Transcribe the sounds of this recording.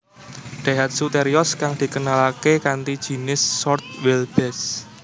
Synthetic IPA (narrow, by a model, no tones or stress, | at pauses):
ɖ̪̥aɦat̪̚sut̪eɾiɔskaŋd̪̥i̤kənalakekant̪id̥ʒ̥i̤nɪsːɔrt̪̚wɪlb̥ɛs